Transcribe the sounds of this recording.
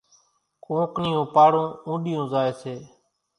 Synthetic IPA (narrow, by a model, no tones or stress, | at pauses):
kõːknɪjõːpaːɽõːũːɗɪjõːzaːeːseː